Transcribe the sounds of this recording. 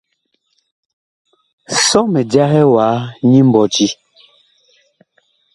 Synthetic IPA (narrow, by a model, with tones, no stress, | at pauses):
sɔ˦mɛ˨dja˦ɦɛ˦waː˨˦ɲi˦m̩˦bɔ˨ti˦